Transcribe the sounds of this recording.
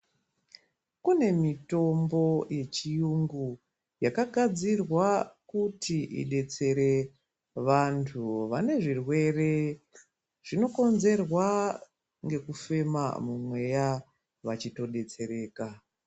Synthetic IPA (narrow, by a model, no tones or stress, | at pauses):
kune̞mito̞mbo̞je̞t͡ʃijuŋɡu | jakaɡʱad͡zirwakutiḭɗe̞t͡se̞ɾe̞ | ʋantʰuʋane̞ʐirwe̞re̞ | ʐ̥ino̞ko̞nze̞rwa | ŋɡe̞kufe̞ma̰mumwe̞ja | ʋat͡ʃito̞ɗe̞t͡se̞ɾe̞ːka